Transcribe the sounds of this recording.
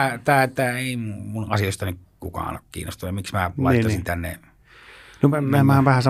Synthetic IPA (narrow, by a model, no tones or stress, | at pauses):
t̪æːt̪æːeˑimumunɑsijost̪ɑnykkukɑ̰ːˑno̰kkḭːnːo̰st̪ujɑmiksmæɑˑit̪ːɑsint̪ænːḛ | nomæmæmæhæmʋæhæsɑ